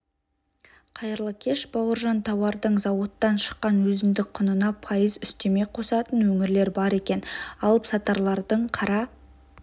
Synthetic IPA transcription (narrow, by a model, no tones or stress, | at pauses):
qʰɑjəɾlˠəkʲʰe̞ʃbɑwəɾʒɑnt̪ʰɑwɑɾd̪əɴzɑwot̪ːɑnʃə̥qːɑnwɵzɪnd̪ɪk̚qʰːʊnənɑpʰɑjəzʏst̪e̞me̞jqʰo̞sɑt̪ənwɵŋɪɾle̞ɾbɑɾe̞kʲe̞nɑlˠəpsɑt̪ɑɾlˠɑɾd̪əɴqʰɑɾɑ